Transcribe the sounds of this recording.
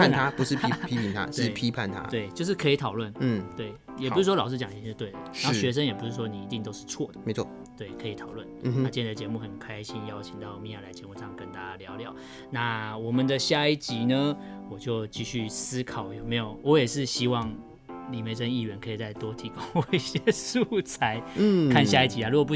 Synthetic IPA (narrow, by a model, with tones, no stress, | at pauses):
a˥˨nt̪ʰa˦pu˧˦ʂɻ̩˥˩˥pʰi˦˥pʰi˨˦ŋt̪ʰa̰˦˧˥pʰi˦pʰa˥˨nt̪ʰa̰˦t̪we˥˩ɪt͡ɕjo˥˧ʊʂ̬ɻ̩˥˩kʰə˧˥i˧˦t̪ʰɑ˨˩ʊlwə˥˩n̩˥˩t̪we˥˩ɪ | jɛ˨˩pu˥ʂɻ̩˥˩wlɑ˨˩ʂ̬ɻt͡ɕjɑ˨ŋi˨˩˨ʂɻ̩˥˧t̪we˥˩ɪd̪ə˩˦˥ɕɥɛ˧˦ʂ̬ə˦njɛ˨˩pu˧˥ʂɻ̩˥˩ʂwɔ˥ni˨˩i˧˦t̪i˥˧ŋt̪o˥ʊʂɻ̩˥˧t͡sʰwɔ˥˩d̪ə˨˩me˧˦t͡sʰw | t̪we˥˩ɪkʰɤ˧˥i˨˥t̪ʰɑ˨˩ʊlwə̰˥˩n˧na˥˧˩t͡ɕjɛ˥˧nd͡zə˧˩t͡ɕjɛ˧˦mu˥˩xə˨˩nkʰa˦ɪɕi˦njɑ˦ʊt͡ɕʰi˨ŋt̪ɑ˥˩ʊmi˥˧ja˥˩la˧˥ɪt͡ɕjɛ˧˦mu˥˧ʂɑ˥˩ŋkə˦˧nt̪a˥˧t͡ɕa˧˦ljɑ˧˦ʊljɑ˨˦ | na˥˨wɔ˨˩mə˨nd̪ə˨˧ɕja˥˧i˥˩t͡ɕi˧˦nə˨ | wɔ˨˩t͡ɕjo˥˧ʊt͡ɕi˥˧ɕy˥˩sɹ̩˥kʰɑ˨˩ʊjo˨˩ʊme˧ɪjo˨˩ʊwɔ˧˥jɛ˨˩ʂɻ̩˥˨ɕi˥wɑ˥˩ŋ | li˨˩me˧˥ɪʂə˥ni˥˩ɥɛ˧˦nkʰɤ˧˥i˨˩t͡sa˥˩ɪt̪wɔ˥t̪ʰi˧˥ko˥˦ŋwi˧˩ɕjɛ˥ʂu˥˩t͡sʰa˧˦ɪ˥kʰa˥˧nɕja˥˧i˥˩t͡ɕi˧˥a˧ɻu˧˥ɡɔ˨˩pu˥˩